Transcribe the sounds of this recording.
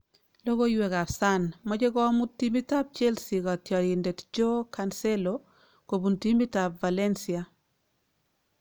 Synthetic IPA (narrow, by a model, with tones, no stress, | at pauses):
lo˦ɡo˦jwɛ˨ka˨sa˦nmɔ˦d͡ʒe˦ɡɔ˦mu˦tːi˦mi˦ta˦p̚t͡ʃɛ˦lsi˨kɔ˨tjɔ˨ɾɪ˨ndɛ˨td͡ʒo˦ka˨nsɛ˦lo | ko˨bu˨nti˦mi˦ta˨pva˨lɛ˦nsia˨